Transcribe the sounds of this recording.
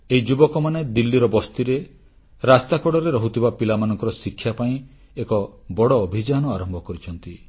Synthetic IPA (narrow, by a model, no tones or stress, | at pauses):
eid͡ʒubɔkɔmaned̪ilːiɾɔbɔst̪iɾe | ɾast̪akɔɽɔɾeɾɔɦut̪ʰibapilamanɔ̃ŋkɔɾɔsikʰːjapaĩ | ekɔbɔɽɔːbʱid͡ʒanɔaɾɔmbʱɔkɔɾit͡ʃʰɔnt̪i